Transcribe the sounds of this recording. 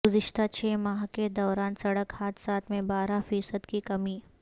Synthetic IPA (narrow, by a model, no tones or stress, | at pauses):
ɡʊzɪʃt̪at͡ʃʰeːmaːɦked̪ɔːɾaːnsɐɽəkhaːt̪saːt̪ʰmẽbaːɾafiːsəd̪kikɐmiː